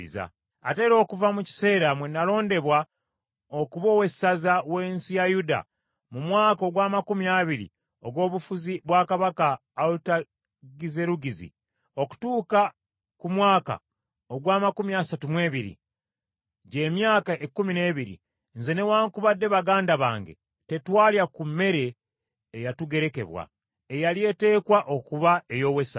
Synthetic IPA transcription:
ḭza̰ | a̰te̞ɾo̞ːkuvamuci̥se̞ːɾamwenːalo̞ːnde̞βwa | okuβo̞ːwe̞sːazawe̞ːnsijajuda̰ | mumwaːkoɡwaːmakumiaβiɾḭ | o̞ɡwo̞ːβufuziβwaːkaβakaː | luta | ɡize̞ɾuɡizḭ | o̞ku̥tuːka | kumwaːka̰ | o̞ɡwaːmakumiasatumwe̞ːβiɾḭ | ɟe̞ːmjaːkaʔekːumine̞ːβiɾḭ | nze̞ne̞waːŋkuβadːe̞βaɡaːndaβa̰ːŋɡe̞̰ | te̞twaːljakumːe̞ɾe̞ː | jatuɡe̞ɾe̞ke̞̰βwa̰ | ejalie̞ːte̞ːkwaʔo̞kuβae̞jo̞we̞sa

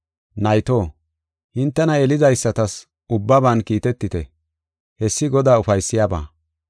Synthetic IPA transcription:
nɐjt̪oː | hɪnt̪ːɛnɐɛlɪzɐjsːɐt̪ɐs | ʊbːɐbɐnkiːt̪ɛt̪ːɪt̪ɛ | hɛsːɪɡɔd̪aːʊfɐjsːɪjaːba̰ː

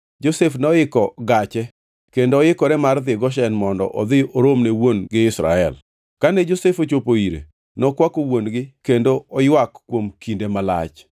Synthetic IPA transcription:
d͡ʒosefnɔɪkɔɡat͡ʃɛ | kendoːɪkɔɾɛmard̪ɪɡɔʃ̬ɛnmɔndɔ̰ʔɔd̪ɪoɾomnewonɡɪɪsɾa̰ɛ̰l | kanɛd͡ʒosefot͡ʃopoiɾḛ | nɔkwakowonɡɪkendoɔjwakːwomkindemala̰t͡ʃ

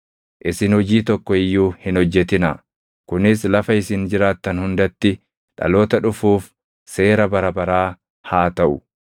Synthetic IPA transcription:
ʔɪsɪnhɔd͡ʒiːt̪ɔkːɔɪjːuːhɪnɔd͡ʒːɛt̪ɪnɐ | kʊnɪslɐfɐɪsɪnd͡ʒɪɾaːt̪ːɐnhʊnd̪ɐt̪ːɪ | ᶑɐ̰lo̞ːt̪ɐᶑʊfuːf | se̞ːɾɐbɐɾɐbɐɾaː | haːt̪ɐʔʊ

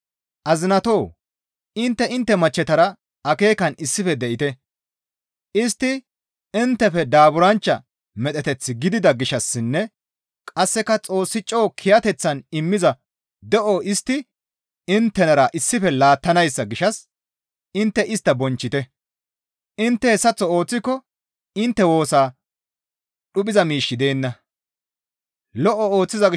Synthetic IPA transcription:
ʔɐzɪnɐt̪oː | ɪnt̪ːɛɪnt̪ːɛmɐt͡ʃːɛt̪ɐɾɐ | ɐke̞ːkɐnɪsːɪfɛd̪ɛʔɪt̪ɛ | ʔɪst̪ːɪ | ɪnt̪ːɛfɛd̪aːbʊɾɐnt͡ʃːɐ̰ | mɛt̪ʼɛt̪ɛt͡sːɪɡɪd̪ɪd̪ɐɡɪʃɐsːɪnːɛ | kʼɐsːɛkɐt͡sʼo̞ːsːɪt͡ʃʼːo̞ːkʰɪjɐt̪ɛt͡sːɐnɪmːɪzɐ | d̪ɛʔɔʔɪst̪ːɪ | ɪnt̪ːɛnɐɾɐʔɪsːɪfɛlaːt̪ːɐnɐjsːɐɡɪʃɐs | ɪnt̪ːɛʔɪst̪ːɐbɔnt͡ʃːɪt̪ɛ | ʔɪnt̪ːɛhɛsːɐt͡sːɔo̞ːt͡sːɪkːɔ | ɪnt̪ːɛwo̞ːsaː | ɗʊpʼɪzɐmiːʃːɪd̪e̞ːnːɐ | lɔʔɔoːt͡sːɪzɐɪ

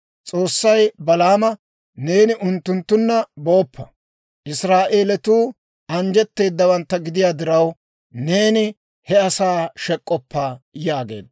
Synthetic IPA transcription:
t͡sʼo̞ːsːɐjbɐlaːmɐ | ne̞ːnɪʔʊnt̪ːʊnt̪ːʊnːɐbo̞ːpʰːɐ | ʔɪsɾaːʔeːlɛt̪uː | ɐnd͡ʒɛt̪ːe̞ːd̪ːɐwɐnt̪ːɐɡɪd̪ɪjaːd̪ɪɾɐw | ne̞ːnɪ | hɛɐsaːʃɛkʼːɔpːaːjaːɡe̞̰ːd̪

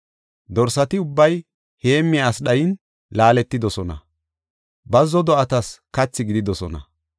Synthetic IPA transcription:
d̪ɔɾsɐt̪ɪʊbːɐj | he̞ːmːɪasɗɐjɪn | laːlɛt̪ːɪd̪ɔsɔnɐ̰ | bɐzːɔd̪ɔɐt̪ɐskɐt͡sːɪɡɪd̪ɪd̪ɔsɔnɐ̰

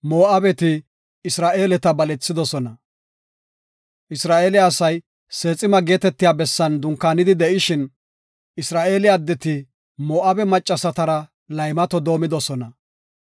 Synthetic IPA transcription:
mo̞ːʔabɛt̪ɪ | ɪsɾaːʔe̞ːlɛt̪ɐbɐlɛt͡sːɪd̪ɔsɔnɐ | ʔɪsɾaːʔeːlɪːsɐj | se̞ːt͡sʼːɪmɐɡe̞ːt̪ɛt̪ːɪjaːbɛsːɐnd̪ʊŋkːaːnɪd̪ɪd̪ɛʔɪʃɪn | ʔɪsɾaːʔe̞ːlɪjaːd̪ːɛt̪ɪ | mo̞ːʔabɛmɐt͡ʃʼːɐsɐt̪ɐɾɐ | lɐjmɐt̪ɔd̪o̞ːmɪd̪ɔsɔnɐ

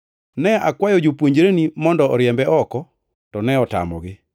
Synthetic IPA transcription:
nɛakwajɔd͡ʒopwoɲd͡ʒɾenimɔndɔɔɾjɛmbɛʔɔkɔ | tɔnɛɔta̰mɔ̰ɡɪ

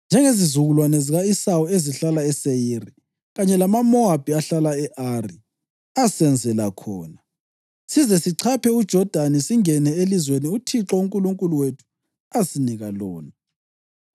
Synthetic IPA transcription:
nd͡ʒʱɛŋezizuɣulwanɛziɣaisawɔeziɬalaɛsejiri | ɣaɲɛlamamɔab̥ʱiaɬalaɛʔari | asɛnd͡zʱɛlakʰɔ̰ːna | sizɛsiǀʰapʰɛud̥ʒ̥ʱɔd̥ʱanisiŋɛnɛelizweniutʰiǁɔuŋkʼuluŋkʼuluwetʰu̥ | asiniɣalo̰ːni

